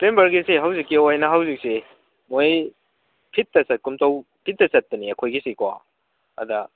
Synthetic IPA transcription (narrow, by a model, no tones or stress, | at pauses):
pembɐɾɡisiɦɐwzikːiojnɐɦawzik̚si | moj | pʰitːɐsɐt̚kumtɐw | pʰit̚ːɐsɐt̚ːɐniɐkʰojɡisikʰwa̰ | ɐ̰dɐ